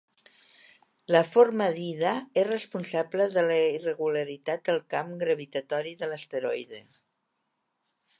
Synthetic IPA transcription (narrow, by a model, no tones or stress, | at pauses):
ləfoɾməðiðəerəspunsaβləðələirəɣuləɾit̪at̪̚d̪əlˠkamɡɾəβ̞it̪ət̪ɔɾiðələst̪əɾɔjðe